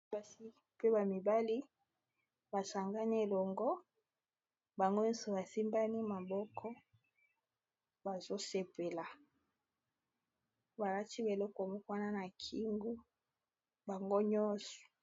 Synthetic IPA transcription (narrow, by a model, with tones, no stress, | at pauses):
ba˦si˦ | pe˦ba˨mi˨ba˦li˦ | ba˨sa˨ŋɡa˦ni˦e˨lɔ˨ŋɡɔ˦ | ba˨ŋɡo˦ɲɔ˦nsɔ˨ba˨si˦mba˦ni˦ma˨bɔ˦kʰɔ˦ | ba˨zo˦se˨pe˨la˨ | ba˨la˦ti˦be˨lɔ˦kɔ˨mɔ˦ka˦na˦na˨kʰi˦ŋɡu˦ | ba˨ŋɡo˦ɲɔ˦sɔ̥˨